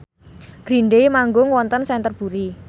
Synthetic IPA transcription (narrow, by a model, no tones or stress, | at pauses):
ɡ̥ɾinɖejmaŋɡʊŋwɔnt̪ənsɛnt̪ərb̥uɾi